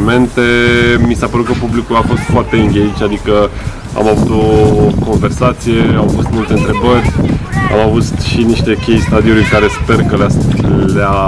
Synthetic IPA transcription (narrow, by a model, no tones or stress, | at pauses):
me̞nt̪e̞misapəɾut̪kəpublikulafo̞st̪foart̪e̞ɨŋɡʲeit͡ʃʲad̪ikə | a̰mavut̪o̞ko̞nve̞rsat̪sije̞awfo̞st̪mult̪eɨnt̪ɾe̞bərʲa̰mavut̪ʃiniʃt̪e̞kʲe̞jst̪ad̪iulujkaɾe̞spe̞rkəlalea